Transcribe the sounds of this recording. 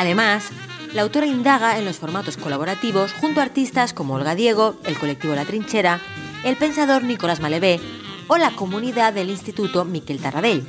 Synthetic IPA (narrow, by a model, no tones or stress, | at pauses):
aðe̞mas | lawt̪o̞ɾaind̪aɣ̞ae̞nlo̞sfo̞ɾmat̪o̞sko̞laβ̞o̞ɾat̪iβo̞sxunt̪oaɾt̪ist̪asko̞moolɣaðje̞ɣ̞o̞e̞lko̞lek̚t̪iβo̞elat̪ɾint͡ʃe̞ɾae̞lpe̞nsaðo̞ɾniko̞lazmale̞βe̞o̞lako̞mũniðaðe̞linst̪it̪ut̪o̞mike̞lt̪araðeʎ